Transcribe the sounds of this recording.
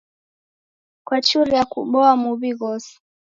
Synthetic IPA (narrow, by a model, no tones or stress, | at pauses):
kwat͡ʃuɾijakuɓɔamuβiɣɔsi̥